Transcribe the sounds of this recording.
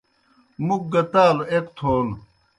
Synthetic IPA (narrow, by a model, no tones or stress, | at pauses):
muk̚ɡɐt̪aːloekt̪ʰoːlu